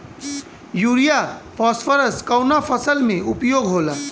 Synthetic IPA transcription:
juːɾijapʰɔːsfəɾəskawnapʰəsəlmẽʊpjoːɡɦoːlaː

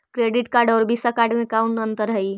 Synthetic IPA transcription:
kɾeɖiʈkaɾɖɔːɾbisakaɾɖmekaunənt̪əɾɦəj

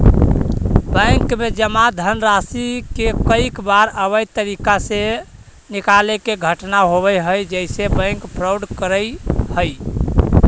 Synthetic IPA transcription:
bə̃jŋkmed͡ʒəmad̪ʱənɾasikekəikbaɾəbəjt̪əɾikase | nikalekeɡʱəʈnaɦoβəjɦəjd͡ʒəɪsebə̃ɪŋkpɾɔwɖkəɾəjhəj

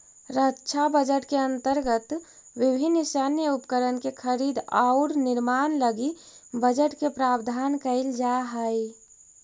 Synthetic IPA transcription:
ɾətːt͡ʃʰabəd͡ʒəʈkeə̃nt̪əɾɡət̪ | wɪbʱɪnːɪsanjəupkəɾənkekʰəɾiːd̪aʊɾnɪɾmaːnləɡibəd͡ʒəʈkepɾaːbd̪ʱaːnkəɪld͡ʒaɦəi

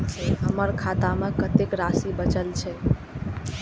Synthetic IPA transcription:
t͡ʃʰɛɦəməɾkʰat̪amekət̪ekɾasibət͡ʃəlt͡ʃʰɛ

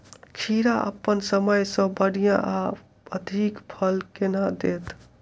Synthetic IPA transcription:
kʰiɾaʔə̰pːənsəməjsə̃bəɽijãʔa | əd̪ʱikpʰəlkenad̪et̪

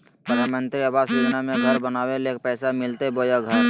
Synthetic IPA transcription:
pɾəd̪ʱaːmə̃nt̪ɾiəbaːsiːɡnamẽɡʱɐɾbənaːweleːk̚pɛːsamɪlt̪eboːjaɡʱəɾ

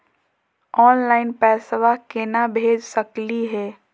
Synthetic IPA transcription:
ɔːnlaːɪnpɛːsʋakenabʱeːd͡ʒsəkliɦɛː

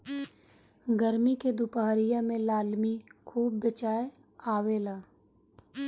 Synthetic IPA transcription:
ɡəɾmiked̪ʊpaɦɾijamẽlaːlmikʰuːb̚ːət͡ʃaːe | aːʋeːlaː

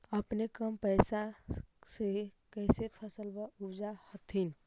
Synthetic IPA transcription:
əpnekəmpəɪsaseɦi | kəɪsepʰəsəlbəubd͡ʒahət̪ʰin

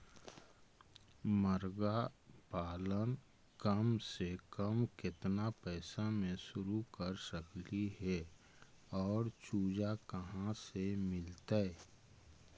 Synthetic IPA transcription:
məɾɡapaːlən | kəmsekəmkɪt̪napɛːsamẽsʊɾukəɾsəkliɦɛ | ɔːɾt͡ʃuːd͡ʒakəɦãsemɪlt̪aɛ

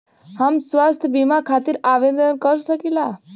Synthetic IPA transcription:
hamswast̪ʰjəbimakʰat̪iɾaʋed̪ənkʌɾsəkila

